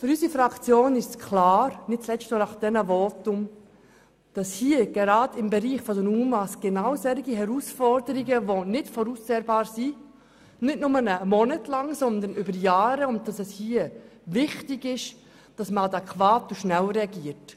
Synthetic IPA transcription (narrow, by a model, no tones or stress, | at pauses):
fʏɾysifɾɑkt͡sjoːnɪʃskʰlɑːɾnɪt̚t͡slɛt͡stnɔnɑχd̥ɛnəvɔtʊm | d̥ɑshiːəɡ̥ɛɾɑːdɪmbɛɾiːχfɔdənuːmmɑsɡ̥ɛnawsɛɾɪɡiɦɛɾuːsfɔɾdəɾiɡəʋonɪtfɔɾuːst͡sɛːɾbɑːɾsi | nɪtnʊmənəmɔnətlɑŋsɔnd̪ənʏbəɾjaːɾəʊnt̚d̥ɑsɛshiːəvɪχtɪɡɪʃ | d̥ɑsməɑdɛkʰvɑːtuʃnɛlɾɛɑɡiːəɾt